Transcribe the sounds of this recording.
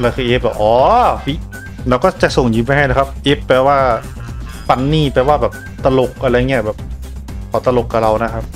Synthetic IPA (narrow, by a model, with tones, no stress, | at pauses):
laː˧kʰɯː˧ʔeː˦˥p̚bɛː˨˩wʔɔː˧˦fi˦˥˩ʔ | laː˧wkɔː˥˩t͡ɕa˨ʔso˨˩ŋjuː˧˦npa˧ɦa˥˩jna˦˥˩kʰa˦˥p̚ʔe˦˥pːɛː˧˩waː˥˩ | pa˧nːiː˥˩pɛː˧waː˥˩bɛː˨˩p̚t̪a˧lo˨˩k̚ʔa˧ɾa˧ja˧ŋi˦˥ɐ˩bɛː˨˩p̚kʰɔː˨˦t̪a˧lo˨˩kːa˨˩ɾa˧wna˦˥kʰa˦˥p̚